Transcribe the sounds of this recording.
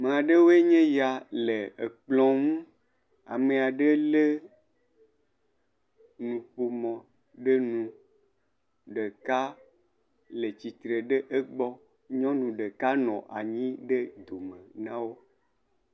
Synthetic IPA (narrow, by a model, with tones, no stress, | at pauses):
mẽ˨a˨ɖe˦wo˦e˦ɲẽ˦ja˨le˨e˨k͡plɔ̃˨ŋũ˦ | a̰˨mẽ˨a˨ɖe˦le˦ | nũ˨ɸo˨mɔ̃˨ | ɖe˦nũ˨ | ɖe˨ka˦ | le˨t͡ɕi˨t̪ɾe˨ɖe˦ʔe˦ɡ͡bɔ˦ | ɲɔ̃˦nũ˨ɖe˨ka˦nɔ̰̃˨ʔa̰˨ɲĩ˦ɖe˦d̪o˨mẽ˨nã˦wo˦